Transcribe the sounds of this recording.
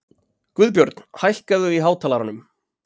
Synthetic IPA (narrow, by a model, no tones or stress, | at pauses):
kvʏðp̬jœɾt̪nhajhkaðʏiɦaːwt̪ʰaːlaɾanʏm